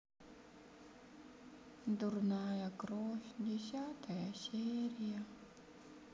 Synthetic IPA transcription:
d̪urnajɐkɾofʲdʲɪsʲat̪ɐjasʲeɾʲɪjɐ

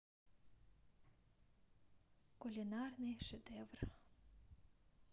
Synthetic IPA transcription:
kʊlʲinarnɨjʃed̪ɛʋr

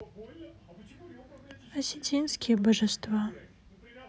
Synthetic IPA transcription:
ɐsʲɪtʰʲinskʲijɛbɐʐɛst̪va

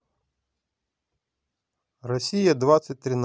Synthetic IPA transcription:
rɔsʲijɐd̪ʋɑsʲɐt̚ʲt̪ɾɪn

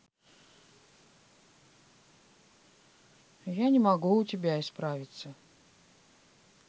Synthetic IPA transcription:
janʲɪmɐɡuːtʲɪbʲaɪspɾavʲɪt̪sə

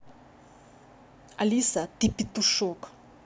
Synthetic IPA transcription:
alʲisat̪ipit̪uʂɔk

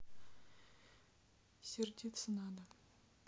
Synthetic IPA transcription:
sʲeɾd̪ʲit̪sənɑd̪ə

